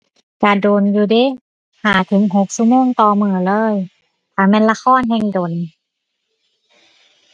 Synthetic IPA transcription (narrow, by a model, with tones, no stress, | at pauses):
ka˧˩doː˨˩njuː˧˩de˧˥˨ | haː˨˩˦t̪ʰɯ˨˩˦ŋɦo˧˦k̚su˧moː˧˥˨ŋt̪ɔː˧mɯː˧˩lɤː˧˩˨j | t̪ʰaː˧˩mɛː˧˥˨nla˧xʰɔː˧˥˨nɦɛː˧ŋdoː˨˩n